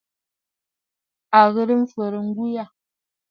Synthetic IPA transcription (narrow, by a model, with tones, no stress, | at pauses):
a˨ɣə˦ɾə˦m̩˦fə˨ɾə˨ŋ̩˦ɡu˦ja˦˨